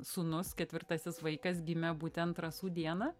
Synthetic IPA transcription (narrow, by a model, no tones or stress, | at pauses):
sʊnʊskʲɛt̪ʲʋʲɪɾt̪ɐsʲɪsʋɐɪkɐsɡʲɪmʲɛbuːt̪ʲɛnt̪ɾɐsuːd̪ʲiɛnɐ